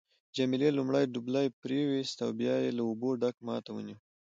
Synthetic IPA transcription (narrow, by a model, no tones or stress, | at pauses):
d͡ʒamilelumɽajɖublajpɾewist̪a̰wbjɑjelaoboɖakmɑt̪awə̰niw